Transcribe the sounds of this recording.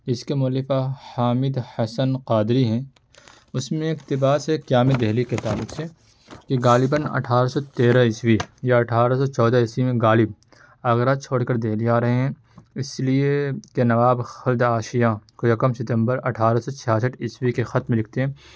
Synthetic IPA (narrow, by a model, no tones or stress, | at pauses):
d͡ʒɪskemʊlɪfahaːmɪd̪hɐsənqaːd̪ɾiɦɛ̃ː | ʊsmẽɪkt̪ɪbaːsekjaːmɪd̪ɛɦliket̪aːlʊkse | keɡaːlɪbənɐ̰ʈʰaːɾasɔt̪eːɾaɪswijaɐʈʰaːɾasɔt͡ʃɔːd̪aɪswimẽɡaːlɪb̚ | aːɣɾaːt͡ʃʰoːɽkɐɾd̪eːliaːɾɐɦeɦɛ̃ | ɪsliekenɐʋaːbxɐld̪aːʃijakojɐkəmsɪt̪ə̃mbəɾɐ̰ʈʰaːɾasɔt͡ʃʰɪjaːs̬əʈɪswikexɐt̪mẽlɪk̚ʰt̪eɦɛ̃ː